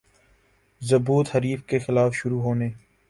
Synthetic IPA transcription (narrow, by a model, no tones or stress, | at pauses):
zɐbuːt̪həɾiːfkexɪlaːfʃʊɾuːɦoːneː